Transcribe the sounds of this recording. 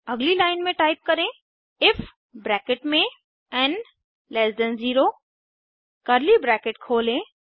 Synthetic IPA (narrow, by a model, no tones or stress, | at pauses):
ɐɡlilaːɪnmẽʈaːɪp̚kɐɾẽː | ɪf | bɾɛːkɪʈmẽ | ɛ̃n | lɛsɖə̃nziːɾo | kɐɾlibɾɛːkɪʈkʰoːlẽ